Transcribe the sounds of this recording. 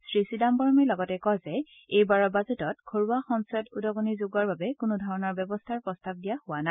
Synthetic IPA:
sɹisidambɔɹmɛlɔɡɔtɛkɔzɛ | ejbaɹɔbazɛtɔtkʰoɹuaxɔnsɛtudɔɡɔniɹzoɡaɹbabɛkʊnʊdʱɔɹɔnɔɹbjɔbɔstʰaɹpɔstab̚dijahʊwana

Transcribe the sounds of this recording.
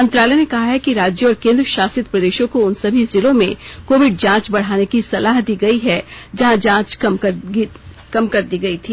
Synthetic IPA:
mɐ̃nt̪ɾaːlɛnekɐɦaɦɛkiɾaːd͡ʒjəɔːɾkẽːnd̪ɾəʃaːsɪt̪pɾɐd̪eːʃõkoʊnsɐbʱizɪlõmḛ̃koːʋɪɖ̚d͡ʒãːt͡ʃbɐɽ̤aːnekisɐlaːɦd̪iːɡɐiɦɛd͡ʒɐɦãd͡ʒãːt͡ʃkɐm | kɐmkɐɾd̪iːɡɐit̪ʰiː

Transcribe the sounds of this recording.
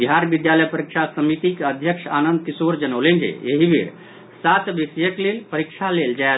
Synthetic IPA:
biɦaɾbid̪jaləjpəɾikʃʰasəmit̪ikeəd̪ʱjəkʃʰanənd̪̚kisoɾd͡ʒənəwlend͡ʒḛeɦibʱḭɾ | sat̪bisjəklelpəɾikt͡ʃʰaleld͡ʒae

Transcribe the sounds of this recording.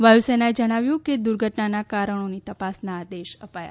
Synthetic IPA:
ʋajusenaed͡ʒəɽ̃aʋjũked̪uɾɡʱəʈnanakaɾəɳ̃onit̪əpasnaːd̪eʃəpaja̰

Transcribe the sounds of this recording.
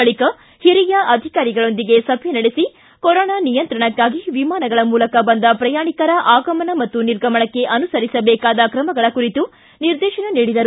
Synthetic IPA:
ɐɭikɐ | hiɾijɐʔɐd̪ʱikaːɾiɡɐɭo̞nd̪iɡe̞sɐbʱjɐnɐɽesi | kɔɾɔːɳaːnijɐnt̪ɾɐɳɐkːaːɡiʋimaːnɐɡɐɭɐmuːlɐkɐbɐnd̪ɐpɾɐjaːɳikɐɾɐʔaːɡɐmɐɳɐmɐt̪ːuniɾɡɐmɐɳɐkːe̞ʔɐnusɐɾisɐbɛːkaːd̪ɐkɾɐmɐɡɐɭɐkuɾit̪u | niɾd̪ɛːʃɐnɐniːɽid̪ɐɾu

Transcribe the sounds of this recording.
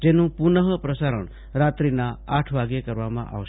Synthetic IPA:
d͡ʒenũpunəɦəpɾəsaɾəɳ̃ | ɾat̪ɾinaaʈʰʋaɡjekəɾʋamã̰ʔa̰ʋʃ

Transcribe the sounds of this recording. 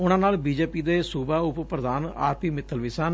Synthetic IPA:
ʊnãːnaːlbiːd͡ʒeːpiːd̪eːsuːbaːʊppɾəd̪aːna̰ːɾpiːmɪt̪ʰːəlʋɪsaːn

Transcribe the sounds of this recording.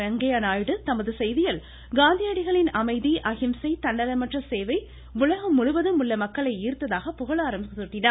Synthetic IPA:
ɐŋɡɐjaːnaːjɽɯt̪ɐmɐðɯsɛjðɪjɐl | ɡaːnd̪ijɐɽɪɣɐɭɪnɐmɐɪðiʔɐɣɪmsɐɪt̪ɐɳːɐlɐmɐʈrɐseːʋɐɪ | ʋʊlɐɣɐmːʊɻʊʋɐðɯmʊɭːɐmɐkːɐɭɐɪiːɾt̪ːɐðaːɣɐpʊɣɐɭaːɾɐmbsɯʈːɪnaː

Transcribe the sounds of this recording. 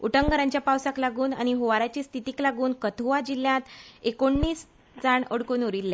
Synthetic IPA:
uʈəŋɡəɾaɲt͡ɕjapawsaklaɡuːnañiɦuʋaɾat͡ɕiːst̪ʰit̪iːklaɡuːnkət̪ʰuʋad͡ʑilːjãt̪ekoɳːiːs | d͡zaɳəɽkuːnuɾilːe

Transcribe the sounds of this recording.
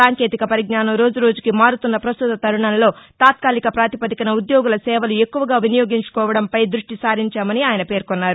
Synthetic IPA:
saːŋke̞ːt̪ikɐpɐɾiɡnaːnɐmɾo̞ːd͡ʒuɾo̞ːd͡ʒukimaːɾut̪unːɐpɾɐst̪ut̪ɐt̪ɐɾuɳɐnlo̞ːt̪aːt̪̚kaːlikɐpɾaːt̪ipɐd̪ikɐnɐud̪joːɡulɐsɛːʋɐlue̞kːuʋɐɡaːʋinijo̞ːɡiɲt͡ʃu̥kɔːʋɐɽɐmpɐjd̪ɾuʂʈisaːɾiɲt͡ʃaːmɐniaːjɐnɐpe̞ːɾkɔnːaːɾu

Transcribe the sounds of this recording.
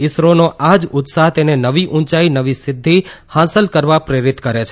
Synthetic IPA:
ɪsɾonoʔad͡ʒʊt̪saɦt̪enenəʋiʔʊ̃nt͡ʃainəʋisɪd̪ʱːihãsəlkəɾʋapɾeɾɪt̪kəɾet͡ʃʰ

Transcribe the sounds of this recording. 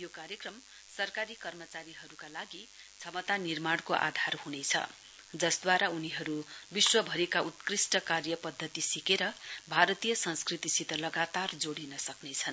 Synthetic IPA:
jokaɾjekrʌm | sʌrkaɾikʌrmʌt͡saɾiɦʌɾukalaɡi | t͡sʰʌmʌt̪anirmaɽkoʔa̰d̪ʱarhunet͡sʰʌ̰ | d͡zʌsd̪waɾauniɦʌɾubiswʌbʱʌɾekaut̪krisʈʌkarjʌpʌd̪ʱːʌt̪isikeɾʌbʱaɾʌt̪ijʌsʌnskrit̪isit̪ʌlʌɡat̪ard͡zoɽinʌsʌknet͡sʰʌn

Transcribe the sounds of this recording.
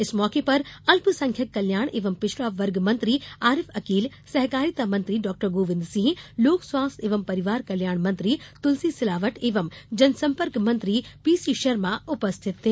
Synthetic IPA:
ɪsmɔːkepɐɾɐlpsɐ̃ŋkʰjɐkːɐljaːɳ̃ʔeːʋɐmpɪʃɾaːʋɐɾɡmɐ̃nt̪ɾiaːɾɪfɐkiːl | sɐɦkaːɾit̪amɐ̃nt̪ɾiɖɔːk̚ʈəɾɡoːʋɪ̃nd̪sĩɦĩloːksʋaːst̪ʰeːʋɐmpɐɾɪʋaːɾkɐljaːɳ̃mɐ̃nt̪ɾit̪ʊlsisɪlaːʋəʈeːʋɐmd͡ʒɐnsɐ̃mpəɾkmɐ̃nt̪ɾipiːsiʃɐɾmaʊpɐst̪ʰɪt̪ːe

